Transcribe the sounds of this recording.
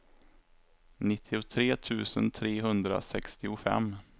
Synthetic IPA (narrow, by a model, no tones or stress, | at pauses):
nɪt̪ʰːɪʊt̪ʰɾeːt̪ʰʉ̟ːsənt̪ʰɾeːɦɵnd̪ɾa̰sɛkst̪ɪʊfɛ̰mː